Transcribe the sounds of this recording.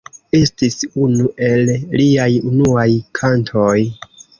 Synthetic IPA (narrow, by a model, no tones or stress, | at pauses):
e̞stisunuʔe̞lliajunuajkʰantʰo̞j